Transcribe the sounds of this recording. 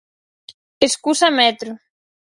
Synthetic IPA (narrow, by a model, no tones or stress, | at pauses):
eskusamɛt̪ɾu